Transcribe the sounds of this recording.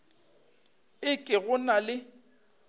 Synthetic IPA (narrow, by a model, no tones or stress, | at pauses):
ɪkʼɪɣʊnalɪ